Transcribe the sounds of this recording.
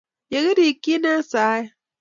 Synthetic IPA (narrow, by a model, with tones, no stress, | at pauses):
je˨ɣe˦ɾi˨ki˦nã˦saː˨˦e˦